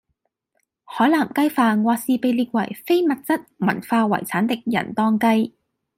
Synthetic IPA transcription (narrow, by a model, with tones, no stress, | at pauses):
hɔː˨˥jlaː˨˩mkɐ˥jfaː˧ŋwɔː˧siː˨pe˨˧jliː˧k̚wɐ̰˨˩jfe˥jmɐ˨t̚t͡sɐ˥t̚mɐ̰˨˩nfaː˧wɐ̰˨˩jt͡sʰaː˨˥nt̪ɪ˨k̚jɐ̰˨˩nt̪ɔː˥ŋkɐ˥j